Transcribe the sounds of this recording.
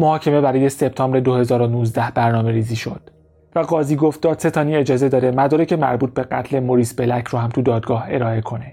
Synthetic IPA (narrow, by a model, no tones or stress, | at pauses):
mohɒːcʰe̞me̞bæɾɒːje̞se̞b̥̚t̪ʰɒːmbɾe̞d̪ohe̞zɒːɾonuːzd̪æhbæɾnɒːme̞ɾiːziːʃo̞d̪̥ | væɡɒːziːɡoft̪̚d̪ɒːd̪se̞t̪ʰɒːniːe̞d͡ʒɒːze̞d̪ɒːd̪e̞mæd̪ɒːɾecʰe̞mæ̰ɾbuːt̪̚be̞ɢæ̰t̪ʰle̞moɾiːsbe̞læcʰɾuːhæmt̪ʰud̪ɒːd̪̚ɡɒːhe̞̰ɾɒːe̞kʰo̞ne